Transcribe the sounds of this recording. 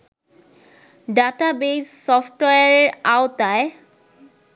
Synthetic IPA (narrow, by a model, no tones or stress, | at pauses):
ɖaʈabessɔfʈweaɾaot̪ae